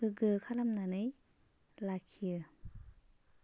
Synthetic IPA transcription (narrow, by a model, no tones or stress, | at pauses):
ɯɡɯkʰalamnanɯj | lakʰiɯ